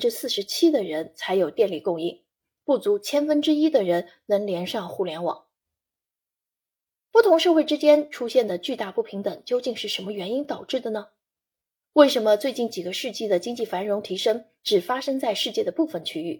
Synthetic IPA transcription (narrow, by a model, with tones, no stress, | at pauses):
ʈ͡ʂɻ̩˥sɹ̩˥˩ʂɻ̩˧˥t͡ɕʰi˥d̪ə˨ɻə˧˥nt͡sʰa˧˥ɪjo˨˩ʊt̪jɛ˥˧nli˥˩kʊ˥˧ŋi˥˩ŋ | pu˥˩t͡su˧˥t͡ɕʰjɛ˥nfə˥nʈ͡ʂɻ̩˥i˥d̪ə˨ɻə˧˥n | nɤ˧˥ŋljɛ˧˥nʂɑ˥˧ŋxu˥˩ljɛ˧˥nwɑ̰˨˩˦ŋ | pu˥˩t̪ʰʊ˧˥ŋʂɤ˥˧xwe˥˩ɪʈ͡ʂɻ̩˥t͡ɕjɛ˥nʈ͡ʂʰu˥ɕjɛ˥˩nd̪ə˩t͡ɕy˥˧t̪a˥˧pu˥˩pʰi˧˥ŋt̪ə˨˩ŋt͡ɕjo˥ʊt͡ɕi˥˧ŋʂɻ̩˥˩ʂə˧˥mə˧ɥɛ˧˥ni˥nt̪ɑ˨˩ʊʈ͡ʂɻ̩˥˩d̪ə˩nə˩ | we˥˩ɪʂə˧˥nmə˧t͡swe˥˧ɪt͡ɕi˥˩nt͡ɕi˨˩ɡə˦ʂɻ̩˥˧t͡ɕi˥˩d̪ə˩t͡ɕi˥ŋt͡ɕi˥˩fa˧˥nɻʊ˧˥ŋt̪ʰi˧˥ʂɤ˥ŋ | ʈ͡ʂɻ̩˨˩fa˥ʂɤ˥ŋt͡sa˥˧ɪʂɻ̩˥˧t͡ɕjɛ˥˩d̪ə˩pu˥˩fə˩nt͡ɕʰy˥y̰˥˩